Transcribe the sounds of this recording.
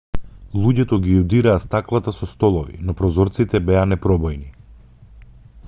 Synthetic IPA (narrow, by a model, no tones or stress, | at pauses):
lˠuɟɛt̪ɔɡijud̪iɾaːst̪aklˠat̪asɔst̪ɔlˠɔvḭnɔpɾɔzɔɾt̪sit̪ɛbɛanɛpɾɔbɔjni